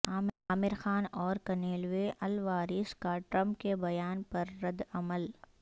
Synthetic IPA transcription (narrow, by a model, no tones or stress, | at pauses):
mɪɾxaːnɔːɾkɐneːlʋeʔɐlʋaːɾɪskaʈɾɐ̃mpkebɐjaːnpɐɾːɐd̪ɐməl